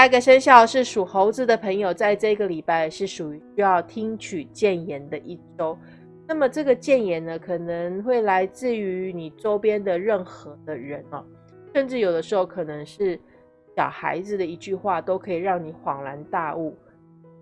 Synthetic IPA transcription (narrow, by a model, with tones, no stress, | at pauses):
a˥˩˧ɡə˨ʂə˥nɕjɑ˥˩ʊʂɻ̩˥˩ʂu˨˩xo˧˥ʊd͡zɹ̩˧˩d̪ə˨pʰə˧˥ŋjo˨˧ʊt͡sa˥˧ɪʈ͡ʂɤ˥˧i˧˥ɡə˨li˨˩pa˥˩ɪʂɻ̩˥˩ʂu˨˩y˧˥ɕy˥jɑ˥˩ʊt̪ʰi˥ŋt͡ɕʰy˨˩t͡ɕjɛ˥˩njɛ˧˥nd̪ə˨ʔi˥˩ʈ͡ʂo˥ʊ | na˥˩mə˩ʈ͡ʂɤ˥˩ɡə˩t͡ɕjɛ˥˩njɛ˧˨˩nnə˧kʰɤ˨˩nə˧˦ŋxwe˥˩ɪla˧˥ɪt͡sɹ̩˥˩y˧˥ni˨˩ʈ͡ʂo˥ʊpjɛ˥nd̪ə˨ɻə˥˩nxɤ˧˦d̪ə˧ɻə˧˥nɔ̰˨ | ʂə˥˧nʈ͡ʂɻ̩˥˩jo˨˩ʊd̪ə˦ʂɻ̩˧˥xo˧˩ʊkʰɤ˨˩nɤ˧˦ŋʂɻ̩˥˩ | ɕjɑ̰˨˩ʊxa̰˧˥ɪd͡z̩˨d̪ə˩i˧˥t͡ɕy˥˧xwa˥˩t̪o˥ʊkʰɤ˧˥i˨˩ɻɑ˥˩ŋni˨˩˦xwɑ˨˩ŋla˧˥nt̪a˥˧u˥˩